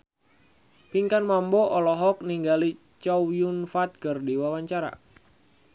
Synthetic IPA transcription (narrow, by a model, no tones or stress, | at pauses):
piŋkanmambɔʔɔlɔɦɔk̚niŋɡali | t͡ʃɔjunfat̪̚kɨrdiwawaɲt͡ʃaɾa̰